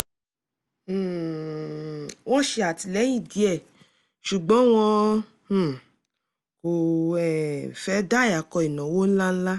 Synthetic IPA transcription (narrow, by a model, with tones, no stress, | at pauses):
w̃ɔ̃˦ʃe˧a˨ti˨lɛ˨˦i˦˨di˨˦ɛ˦˨ | ʃu˨ɡ͡bɔ̃˨˦w̃ɔ̃˧˨ | ko˨ɛ˨fɛ˦da˦˨a˨kɔ˧i˨nã˨˦wo˦n̩˦la˦n̩˦la˦